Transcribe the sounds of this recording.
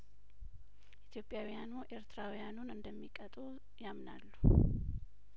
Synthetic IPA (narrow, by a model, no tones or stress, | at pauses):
ʔit̪ʰjo̞pʼjawijanuʔe̞ɾt̪ʰɾawijanunɨnd̪əmːikʼət̪ʼu | jamna̰lːu